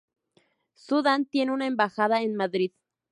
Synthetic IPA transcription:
suðant̪jeneunaembaxaðaenmaðɾið̥

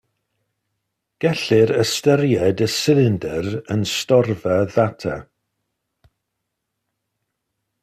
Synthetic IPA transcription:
ɡ̥ɛɬɪɾəstəɾjɛdəsɪðɪndɛɾənstɔrvəðatʰa̰

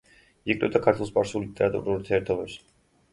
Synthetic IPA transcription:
ikʼɾɛ̰bd̪akʰaɾt̪ʰwɛlˠspʼaɾsuliit̪ʼɛɾat̪ʼṵɾuuɾt̪ʰiɛɾt̪ʰɔbɛps

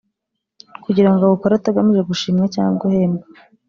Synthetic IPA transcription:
kuɟiɾaŋɡoβukoɾataɡamiʒe̞ɡuʃiːmɲaca̰ːŋɡoheːma

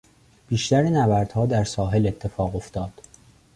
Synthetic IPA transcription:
b̥iːʃt̪æɾenævæɾd̪̥hɒːd̪æɾsɒːɦe̞le̞t̪ʰːe̞fɒːɣo̞ft̪ɒːd̪̥

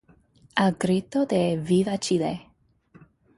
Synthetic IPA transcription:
alɡɾit̪od̪evivat͡ʃile

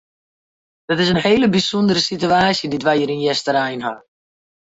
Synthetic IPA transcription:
d̥ɔtɪs̬ənheːləbisɔndəɾəsityaːsjəditʋajəɾinjɛstəɾɛjnɦa̰

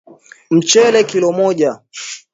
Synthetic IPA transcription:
m̩t͡ʃɛlɛkilɔmɔʄa

